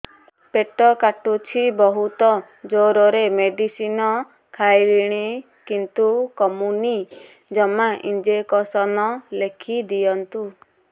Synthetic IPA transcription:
peʈɔkaʈut͡ʃʰibɔɦut̪ɔ | d͡ʒoɾɔɾemeɖisinɔ | kʰajɾiɽ̃i | kint̪ukɔmuni | d͡ʒɔmaʔind͡ʒekɔsɔnɔlekʰid̪ijɔnt̪u

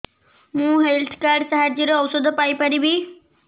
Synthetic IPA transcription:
mũːɦelt̪ʰkaɖsaɦaɾd͡ʑiɾəːʋsəd̪ʱpajpəɾibʱi

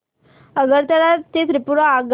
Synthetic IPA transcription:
əɡəɾt̪aɾat̪et̪ɾipuɾaːɡ

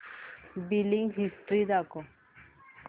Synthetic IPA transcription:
biliŋɡɦisʈɾid̪akɔ

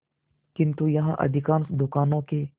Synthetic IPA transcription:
kɪ̃nt̪ujɐɦãʔɐ̰d̪ʱɪkaːnsd̪ʊkaːnõke

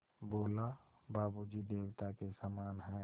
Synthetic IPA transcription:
boːla | baːbud͡ʒid̪eːwt̪akesamaːnɦɛ

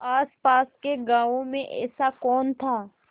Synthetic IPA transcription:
aːspaːskeɡãːʋõmẽʔɛ̰ːsakɔːnt̪ʰaː

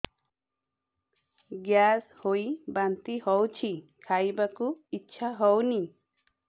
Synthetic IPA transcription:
ɡjashojbant̪ihɔwt͡ʃʰikʰajbakuitːʃʰaɦɔwni

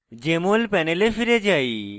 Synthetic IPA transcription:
d͡ʒemolpɛnelefiɾed͡ʒai

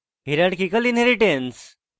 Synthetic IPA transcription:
ɦiɾaɽkikəlinɦeɾiʈẽns

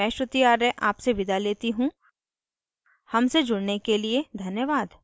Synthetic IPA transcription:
ɛ̃ːʃɾət̪ijaːɾẽʔaːpseʋɪd̪ʱaleːt̪iɦũ | hɐmsed͡ʒʊɽnekelied̪ʱɐnjəʋaːd̪

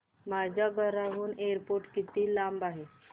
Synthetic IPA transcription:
mad͡ʑʱaɡʱəɾaɦuːnejəɾpoɾʈkit̪iːlambaɦe

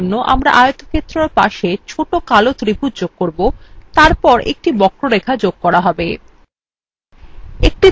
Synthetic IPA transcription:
nːoʔa̰mɾa̰ʔaeot̪okʰet̪ːɾoɾpa̰ʃet͡ɕʰoʈokalot̪ɾipuɾd͡ʑoɡ̚koɾbot̪aɾpɔɾʔḛk̚ʈibɔkɾoɾekʰad͡ʑoɡ̚kɔɾaɦɔbe | ek̚ʈi

